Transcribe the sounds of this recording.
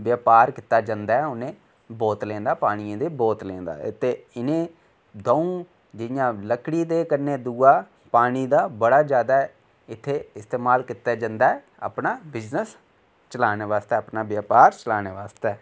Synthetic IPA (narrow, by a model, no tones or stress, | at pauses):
ʋjaːpaːɾkɪt̪ːaːd͡ʒãːnd̪aːɛʊnẽː | boːt̪lɛ̃ːnd̪aːpaːɽ̃iãːd̪eːboːt̪lɛ̰̃ːnd̪a̰ːt̪ːeːɪnẽː | d̪oːũː | d͡ʒɪjãːləkɽiːd̪eːkəɾneːd̪uːaː | paːɽ̃iːd̪aːbəɽaːd͡ʒjaːd̪aːɛ | ɪt̪ʰːeːɪst̪eːmaːlkɪt̪aːd͡ʒãːnd̪aːɛː | a̰ːpɳaːbɪznəs | t͡ʃəlaːneːʋaːst̪eːapnaːʋjaːpaːɾt͡ʃəlaːneːʋaːst̪ɛː